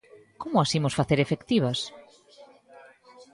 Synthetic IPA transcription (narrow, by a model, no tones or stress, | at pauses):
komʊasimosfaθeɾefekt̪iβɐs